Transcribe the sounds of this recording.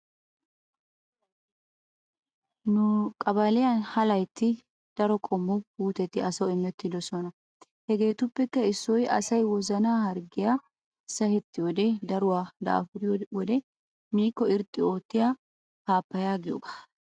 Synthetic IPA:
nʊkʼɐbɐlɪjɐnhɐlɐjt̪ːɪ | d̪̥ɐɾɔkʼɔmːʊɡhuːt̪ɛt̪ːɪɐsɐwɪmːɛt̪ːɪd̪ɔsɔnɐ | hɛɡe̞ːt̪ʊpːɛkːɐɪsːɔjɐ̰sɐjwɔzɐnaːhɐɾɡɪja | sɐhɛt̪ːɪjɔd̪ɛd̪ɐɾʊwaːd̪a̰ːfʊd̪ɪwɔd̪ɛ | miːkːɔɪɾt̪ʼːɪo̞ːt̪ːɪjaː | haːpːɐjaːɡɪjɔ̰ɡḁː

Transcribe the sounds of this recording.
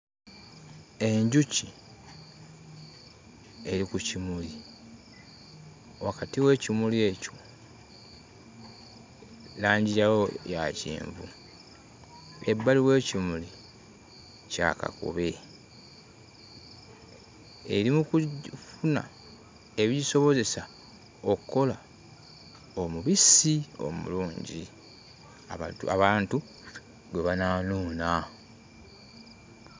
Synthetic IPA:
e̞ɲɟuci | e̞ɾikucimuli | wakatiwe̞ːcimulie̞co̞ | laːɲɟijawojacḭːɱvṵ | ebːaliwe̞ːcimuli | ca̰ka̰kṵβe̞ | eɾimukufuna̰ | e̞βiɟiso̞βo̞ze̞sa | okukːo̞la | o̞muβisio̞̰mṵluːɲɟi | aaβaːntu | weβanaːnuːna

